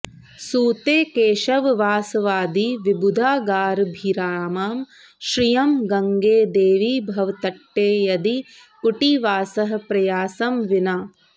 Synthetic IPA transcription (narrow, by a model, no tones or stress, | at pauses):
suːt̪eːkeːʃɐʋʋaːsɐʋaːd̪iʋibud̪ʱaːɡaːɾbʱiɾaːmaːm | ʃɾijɐmɡɐŋɡeːd̪eːʋibʱɐʋt̪ɐʈːeːjɐd̪i | kuʈiʋaːsɐɦɐ̆pɾɐjaːsɐmʋinaː